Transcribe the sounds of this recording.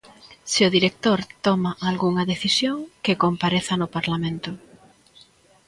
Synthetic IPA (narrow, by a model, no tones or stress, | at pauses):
sɪʊðiɾek̚t̪oɾt̪ɔmaʔalɣuŋɐðeθisjoŋkɪkompaɾeθɐnʊpaɾlamẽnt̪ʊ